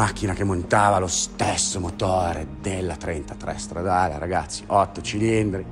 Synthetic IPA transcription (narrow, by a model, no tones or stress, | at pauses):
ak̟ːinakemːont̪aːvalost̪esːomot̪oːɾed̪elːat̪ɾent̪at̪ɾɛ̰st̪ɾad̪aːlea̰ɾaɡat̪sːiʔɔt̪ːot͡ʃilind̪ɾi